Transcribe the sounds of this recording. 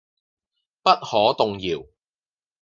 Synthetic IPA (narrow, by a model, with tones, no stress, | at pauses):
pɐ˥t̚hɔː˨˥t̪ʊ˨ŋjiː˨˩w